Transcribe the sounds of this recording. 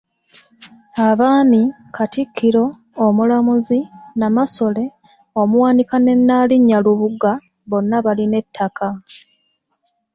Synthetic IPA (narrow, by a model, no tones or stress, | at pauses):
aβaːmi | kʰatikʰːiɾo̞ː | mulamuzinamaso̞le̞ | o̞muwaːndikane̞nːaːliɲːaluβuɡa | βo̞nːaβaline̞tʰːaka